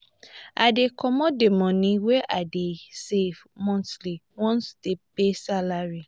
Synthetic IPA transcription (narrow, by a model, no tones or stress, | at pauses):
adekʰɔmɔdemɔ̃nĩweʔadesev | mɔ̃tliwɔ̃nsdepesalaɹi